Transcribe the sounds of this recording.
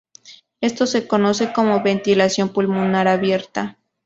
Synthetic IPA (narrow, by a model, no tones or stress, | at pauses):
e̞st̪o̞se̞ko̞no̞se̞ko̞mo̞βe̞nt̪ilasjo̞mpulmunaɾaβje̞ɾt̪a